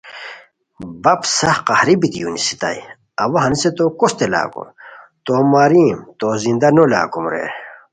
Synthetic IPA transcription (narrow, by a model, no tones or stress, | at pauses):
bɐpsɐhqɐhɾibit̪ijunisit̪a̰ːi | ɐwɐɦɐnset̪okost̪ela̰ːko̰m | t̪oːmaːɾiːmt̪oːzind̪ɐnola̰ːkumɾḛː